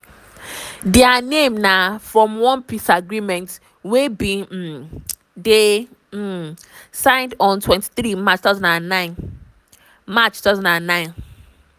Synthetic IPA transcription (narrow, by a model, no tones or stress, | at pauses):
dɛanemnafɹɔ̃mwɔ̃npʰisaɡɹimɛ̃nt | webĩ | de | sãɪ̃ndɔ̃ntʰwɛ̃nti̥θɹimat͡ʃtaʊzɔ̃ndãnːãɪ̃n | mat͡ʃtazɔ̃ndãnːãɪ̃n